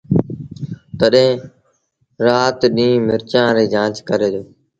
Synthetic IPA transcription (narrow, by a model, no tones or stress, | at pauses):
t̪əɗẽː | ɾaːt̪ɗĩːmɪɾt͡ʃãːɾeːd͡ʒãːt͡ʃkəɾeːd̪oː